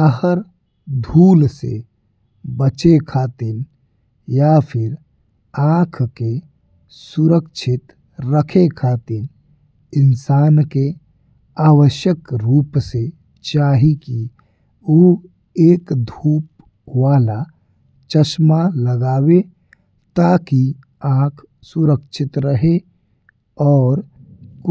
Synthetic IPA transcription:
əɦəɾ | d̪ʱuːlsḛ | bət͡ʃekʰaːt̪ɪn | japʰɪɾ | ãːkʰke | sʊɾəkʃʰɪt̪ | ɾəkʰekʰaːt̪ɪn | ɪnsaːnke | aːwəʃjəkɾuːpse | t͡ʃaːɦiki | o | eːkd̪ʱuːp | ʋaːla | t͡ʃəsmaləɡaːwe | t̪aki | ãːkʰ | sʊɾəkʃʰɪt̪ɾəɦe | ɔːɾk

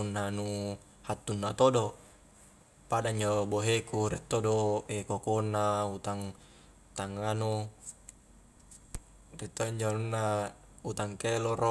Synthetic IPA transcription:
unːanu | hat̪ːunːat̪odo | padaɲd͡ʒoboɦekuɾit̪ːodoekokonːaut̪aŋ | t̪aŋanu | rit̪ːoɲd͡ʒonunːa | ut̪aŋkeloro

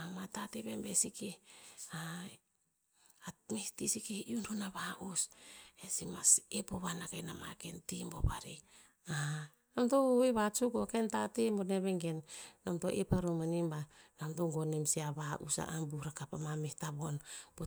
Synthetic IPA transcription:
amatateβembesikea | amehtisikeiunhunaβaʔusesimasepoβanakejnama̰kentimbo̰βa̰ɾi | a | namtoeβat͡ʃukokentatemboneβeŋɡenːamto̰ʔepaɾomanimbanamtoŋɡonemsiaβaʔṵsa̰ʔambuɾakapamamehtaβonb̥o

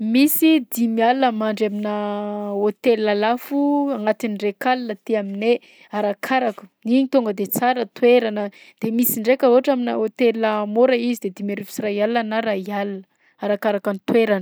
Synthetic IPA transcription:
misid̪imialːəmaɳɖ͡ʐaminəot̪elalafuaŋat̪inirekalnət̪iamine | aɾakʰaɾaku̥niɲit̪oŋɡəd̪et͡saɾət̪weɾanə | d̪̥emisiɳɖ͡ʐekʲəoaʈ͡ʂaminəot̪elamoɾəizid̪ed̪imaɾifisiɾajalːanaɾajalnə | aɾakaɾakanit̪weɾanə̥

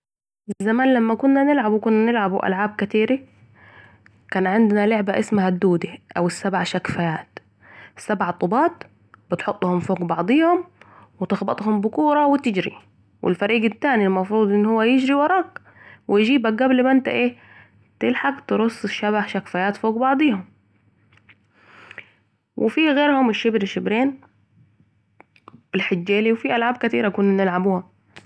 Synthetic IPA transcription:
zzamaːnlamːakʊnːanɪlʕabwkʊnːanɪlʕabwʔa̰lʕaːb̚kat̪iːɾi | kaːnʕɪnd̪ɪnaleʕbaʔɪsmahad̪ːuːd̪iʔawɪsːabʕaʃakfajaːt̪ | sːabʕat̪ˤːobɑːt̪ | bɪt̪ħot̪ˤːhʊmfoːɡbɑʕd̪ˤiːhʊmwɪt̪ɪxbɑt̪ˤhʊmbʊkuːɾˤɑwɪt̪ɪd͡ʒɾḭ | wʔɪ̰lfaɾiːɡɪt̪ːaːnilmɑfɾuːd̪ˤʔɪnːhʊwːajɪd͡ʒɾiwɑɾˤɑːɡ | wɪjd͡ʒiːbaɡablmaɪnt̪a̰ʔeː | t̪ɪlħaɡt̪ɨɾʊsˤːɪʃːaβaħʃakfajaːt̪foːɡbɑʕd̪ˤiːhʊm | wʔɪ̰fiɣeːɾhʊmɪʃːɪbɾɪʃːɪbɾeːn | bɪlħɪd͡ʒːeːliwfiʔalʕaːb̚kat̪iːɾakuːnnɪlʕabuːhʊm

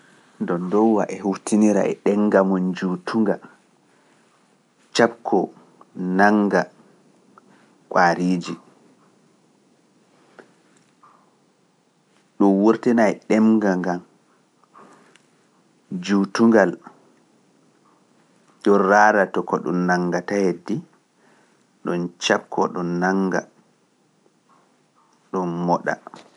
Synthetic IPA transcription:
dɔndɔwwaʔɛhuftʰiniɾa̰ʔɛ̰ɗɛŋɡamɔnd͡ʒutʰuŋɡa | t͡ʃapkʰːɔ | naŋɡa | kwaːɾiːd͡ʒi | ɗɔnwoɾtɛnaɛɗɛmɡaŋɡam | d͡ʒutuŋɡal | ɗɔnɾaɾatɔkɔɗṵnnːaŋɡatahedːi | ɗɔnt͡ʃapkɔɗɔnːaŋɡa̰ | ɗɔnmɔɗa̰

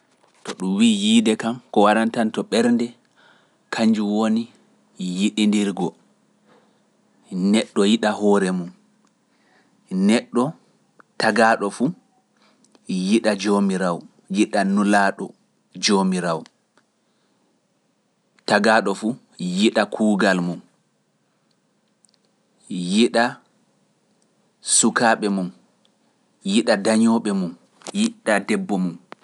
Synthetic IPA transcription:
tɔɗumwiːjiːdɛkamkɔwaɾantantɔɓɛɾndɛ | kʰaɲd͡ʒuwoni | jiɗindiɾɡɔ | nɛɗːɔjiɗahɔɾɛmun | nɛɗːɔ | taɡaɗɔfu | jiɗad͡ʒomiɾaw | jiɗanulaːɗɔ | d͡ʒomiɾaw | taɡaːɗɔfu | jiɗakʰuːɡalmum | jiɗa | sukaːɓɛmum | jiɗadaɲɔɓɛmum | jiɗadɛbːɔmum

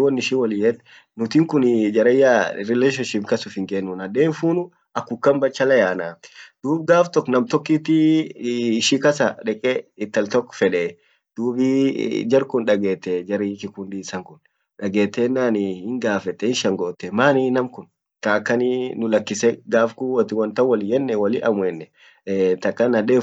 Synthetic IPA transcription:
wɐnːɪʃɪwɐlɪjɛt̪ː | nʊt̪ɪŋkʊnɪd͡ʒɐɾɛjːaɾɪleːʃ̬ɔnʃɪpkɐsʊfɪŋkɛnːʊnɐd̪eːnfuːnʊ | ɐkːʊkːɐmbɐt͡ʃːɐlɐjaːnaːd̪̥uːb̚ɡaːft̪ɔkːnɐmt̪ɔkːɪt̪ːɪ | ɪʃikɐsɐᶑɛkʼɛɪt̪ːɐlt̪ɔkːɔ̥fɛᶑɛː | d̪̥uːbid͡ʒɐɾkʊnᶑɐɡeːt̪ːɛd͡ʒɐɾikɪkʊnd̪iːsɐŋkʊn | ᶑɐɡeːt̪ːeːnːaːnɪhɪŋɡaːfɛt̪ːɛhɪnʃɐŋɡoːt̪ːɛmaːninɐmkʊn | kakːɐnɪnʊlɐkːɪsɛɡaːfkuwɐt̪ɪwɐnt̪ɐwɐlɪjɛnːɛwɐlɪʔɐmʊɛnːɛ | t̪ɐkʼːɐnɐᶑeː

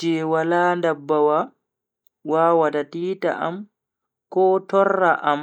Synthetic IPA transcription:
d͡ʒɛwalaːndabːawa | waːwatatiːta̰ʔa̰m | kɔːtɔrːaʔam

